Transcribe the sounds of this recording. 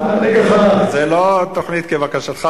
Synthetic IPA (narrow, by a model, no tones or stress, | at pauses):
aneɡaχazelot̪oχnit̪kevakaʃat̪χa